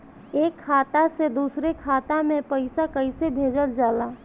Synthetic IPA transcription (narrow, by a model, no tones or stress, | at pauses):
eːkʰːaːt̪ased̪uːsɾekʰaːt̪amẽpəɪsakəisebʱeːd͡ʒəld͡ʒaːla